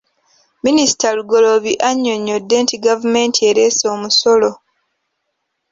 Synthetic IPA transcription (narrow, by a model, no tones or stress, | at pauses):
minisi̥taluɡo̞lo̞βiʔaɲːo̞ɲːo̞dːe̞ːntiɡavume̞ːntʰie̞ɾe̞ːso̞ːmusolo̞